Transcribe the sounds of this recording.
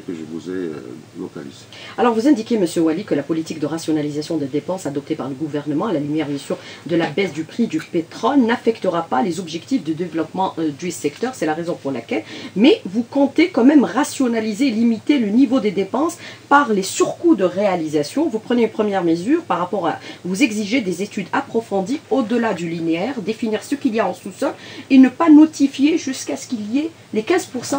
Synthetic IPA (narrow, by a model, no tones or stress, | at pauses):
kəʒəvuzɛ̰lɔ̰ka̰lḭz̥e | alɔʁvuzɛ̃d̪ikʲjeməsjøwalikəlapɔlit̪ik̚d̪əʁasjɔnalizasjɔ̃d̪ed̪epɑ̃sad̪ɔp̚t̪epaʁləɡuvɛʁnəmɑ̃alalimeʁizasjɔ̃d̪əlabɛsd̪ypχid̪ypet̪χɔlnafɛkt̪əʁapalezɔbʒɛkt̪ifd̪əd̪evlɔpmɑ̃d̪ysɛkt̪œʁsɛlaʁezɔ̃puʁlakʲɛlmɛvukɔ̃t̪ekɔmɛmʁasjɔnalizelimit̪elənivod̪ed̪epɑ̃spaʁlesyʁkud̪əʁealizasjɔ̃vupχəneynpχəmjɛʁməzyʁpaʁapɔʁa̰vuzɛɡziʒed̪ezet̪yd̪apχɔfɑ̃d̪iod̪əlad̪ylineɛʁd̪efiniʁsəkiljaɑ̃susɔlenəpanɔt̪ifjeʒyskasə̥kiliɛ | lekʲɛ̃zpuʁsɑ̃